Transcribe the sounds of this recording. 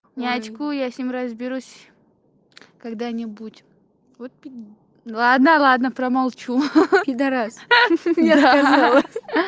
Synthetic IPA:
nʲat͡ʃkʊjasʲnʲimɾɐzbʲɪɾusʲ | kaɡd̪anʲɪbutʲ | vot̪̚pʲ | lˠad̪nəlˠad̪nəpɾəmalˠt͡ɕupʲɪd̪ɐɾasnʲeaazalˠəsʲ

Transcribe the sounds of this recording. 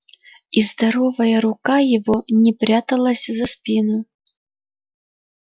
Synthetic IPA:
izd̪aɾɔvɐjɐɾukajɛvɔnʲɛpɾʲat̪ɐlˠɐsʲzɐspʲinu

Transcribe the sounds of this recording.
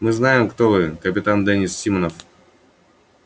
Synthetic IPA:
mɨznajɪmkt̪ovɨkəpʲɪt̪and̪ɛnʲisːʲimənəf

